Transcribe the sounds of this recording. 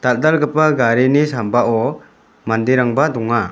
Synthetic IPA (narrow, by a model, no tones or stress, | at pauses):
t̪al̚d̪alɡəpaɡaɾinisambaʔɔ | mandiɾaŋbadɔŋa